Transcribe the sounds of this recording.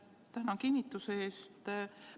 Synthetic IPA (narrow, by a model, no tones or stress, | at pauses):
t̪æhnɑkinʲːit̪ːˑuseeːst̪